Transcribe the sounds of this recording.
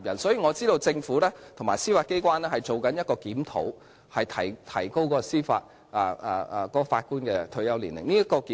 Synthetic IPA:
p̚jɐ˨˩nsɔ˨˥jiː˨˧ŋɔ˨˧t͡siː˥ɾo˧wt͡sɪ˧ŋfuː˨˥lɛː˥t̪ʰʊ˨˩ŋma̰ː˨˩jsiː˥faː˧t̚ke˥jkʷwaː˥nlɛː˥hɐ˨jt͡so˨wkɐ˨˥njɐ˥kɔː˧kiː˨˥mt̪ʰo̰˨˥w | hɐ˨jt̪ʰɐ˨˩jt̪ʰɐ̰˨˩jko˥wkɔː˨˧ɔ˧siː˥fa̰ː˧t̚ | ʔɐː˨˧˨kɔː˨˥ɔ˧faː˧t̚kuː˥nkɛː˧t̪ʰɵ˧ɥjɐ˥wliː˨˩nlɪ̰˨˩ŋniː˥jkɔː˧kiː˨˦

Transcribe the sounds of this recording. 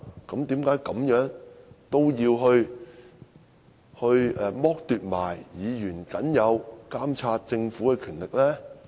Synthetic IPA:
kɐ˨˥mt̪iː˨˥mkaː˨˥jkɐ˨˥mjœː˨˥ŋt̪o˥wjiː˧wɦɵ˧ɥ | hɵ˧ɥɛ˨˧mɔː˥k̚t̪yː˨˧t̚maː˨˩jjiː˨˧jyː˨˩nkɐ˨˥njɐ˨˧wkaː˥mt͡sʰaː˧t̚t͡sɪ˧ŋfuː˨˥kɛ˧kʰyː˨˩nlɪ˨k̚lɛː˥

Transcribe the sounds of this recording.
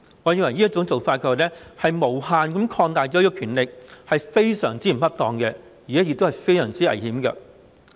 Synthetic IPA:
ŋɔ˨˧ji˨˧ŋwɐ˨˩jnːiː˥t͡sʊ˨˥ŋt͡so˨wfaː˧t̚kʰəː˧wa˨˩lɛ˥hɐ˨jmo˨˩whaː˨˧nkɐ˨˥mkʰɔː˧ŋt̪aː˨jt͡ʃɔː˨˦ji˥kːɔː˧kʰyː˨˩nlɪ˨k̚hɐ˨jfe˥jsœː˨˩ŋt͡siː˥m̩˨˩hɐ˥p̚t̪ɔː˨˧ŋkɛ˧ | jiː˨˩ɛː˨˥jɪ˧t̪o˥hjfe˥jsœː˨˩ŋt͡siː˥ɐ̰˨˩jhiː˨˥mkɐ̰˧

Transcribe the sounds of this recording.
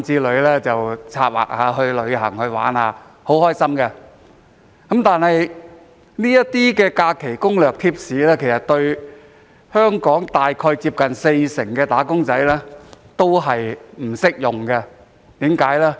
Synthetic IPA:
t͡siː˧lɵ˨˧ɥlɛː˥t͡sɐ˨wt͡sʰaː˧t̚wa̰ː˨k̚haː˨˧ɦɵ˧ɥlɵ˨˧ɥɦɐ̰˨˩ŋhɵ˧ɥwa̰ː˨˥nhaː˨˧ | ho˨˥whɔː˥jsɐ˥mkɛ˧ | kɐ˨˦˥mt̪aː˨nhɐ˨j | niː˥jɐ˥tt̪iː˥kɛː˧kaː˧kʰe˨˩jkʊ˥ŋlœː˨k̚t̪ʰiː˥p̚siː˨˥lɛː˥kʰe˨˩jsɐ˨t̪ɵ˧ɥ | hœː˥ŋkɔː˨˥ŋt̪aː˨jkʰɔː˧jt͡siː˧p̚kɐ˨nse˧jsɪ˨˩ŋkɛː˧t̪aː˨˥kʊ˥ŋt͡sɐ˨˥jlɛː˥t̪o˥wɦɐ˨jm̩˨˩sɪ˥k̚jʊ˨ŋkɛ˧ | t̪iː˨˥mkaː˨˥jlɛː˥

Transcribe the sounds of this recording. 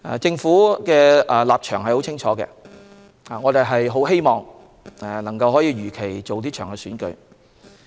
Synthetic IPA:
a̰ː˨˩t͡sɪ˧ŋfuː˨˥kɛː˧a˨laː˨p̚t͡ʃʰœ̰ː˨˩ŋhɐ˨jho˨˥wt͡sʰɪ˥ŋt͡ʃʰɔː˨˥kɛ̰˧ | aː˨ŋɔː˨˧t̪e˨jɦɐ˨jɦo˨˥whe˥jmɔː˨ŋ | ɛ˨˩lɐ˨˩ŋkɐ˧whɦɔː˨˥jiː˧ɥyː˨˩kʰe˨˩jt͡so˨wt̪̬iː˥t͡ʃʰœː˨˩ŋkɛː˧syː˨˥nkɵ̰˨˧˥ɥ

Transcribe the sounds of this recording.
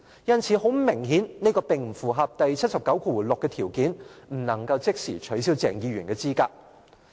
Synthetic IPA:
jɐ˥nt͡sʰiː˨˥ho˨˥wmɪ˨˩ŋɦiː˨˥nne˥kɔː˧pɪ˨ŋm̩˨˩fuː˨˩ɦɐ˨p̚t̪ɐ˨jt͡sʰɐ˥t̚sɐ˨˩pkɐ˨˥wkʰuː˧wlʊ˨kːɛː˧t̪ʰiː˨˩wkiː˨˥nm̩˨˩nɐ˨˩ŋkɐ˧wt͡sɪ˥k̚sḭː˨˩t͡ʃʰɵ˨˥ɥs̬iː˥wt͡sɛ̰ː˨˩ŋjiː˧ɥyː˨˩nkɛː˧t͡siː˥kaː˧k̚

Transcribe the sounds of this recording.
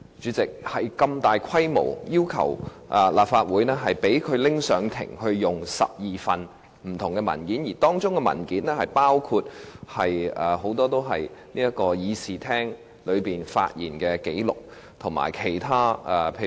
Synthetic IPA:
t͡ʃyː˨˥t͡sɪ˨k̚hɐ˨jkɐ˧mt̪aː˨jkʰɐ˥jmo̰˨˩wjiː˥wkʰɐ̰˨˩w | ʔɛ˨laː˨p̚faː˧t̚wuː˨˥jnɛː˥ɦɐ˨jpe˨˥jkʰɵ˨˧ɥlɪ˥ŋsœː˨˧ŋt̪ʰɪ̰˨˩ŋhɵ˧ɥjʊ˨ŋsɐ̰˨p̚jiː˨fɐ˨n | m̩˨˩t̪ʰʊ˨˩ŋkɛ˧mɐ̰˨˩nkiː˨˥njiː˨˩t̪ɔː˥ŋt͡sʊ˥ŋkɛ˧mɐ̰˨˩nkiː˨˥nɛː˥hɐ˨jpaː˥wkʰu˧t̚hɐ˨jɛː˨˩ɦo˨˥wt̪ɔː˥t̪o˥wɦɐ̰˨jniː˥jɐ˥kɔː˧jiː˨˧siː˨˩t̪ʰɛː˥ŋ | lɵ˨˧ɥpiː˨nfa̰ː˧t̚jḭː˨˩nkɛː˧ke˨˥jlʊ˨˩k̚ | t̪ʰʊ˨˩ŋma̰ː˨˩jkʰe˨˩jt̪ʰaː˥ɛ˨˧pʰe˧

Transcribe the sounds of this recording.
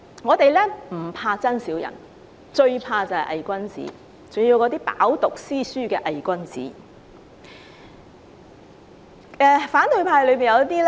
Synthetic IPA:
ŋɔː˨˧t̪e˨jlɛː˥m̩˨˩pʰaː˧t͡sɐ˥nsiː˨˥wjɐ̰˨˩n | t͡ʃɵ˧ɥpʰaː˧t͡sɐ˨hɐ̰˨jʔɐ̰˨jkʷɐ˥nt͡sḭː˨˥ | t͡sʊ˨ŋjiː˨˧wkɔ˨˧˥t̪iː˥pa̰ː˨˥wt̪ʊ˨k̚siː˥syː˥kɛː˧ʔɐ˨jkʷɐ˥nt͡sḭː˨˥ | ɛː˨faː˨˥nt̪ɵ˨˧ɥpʰaː˧jlɵ˨˧ɥpiː˨njɐ˨˧wt̪iː˥l

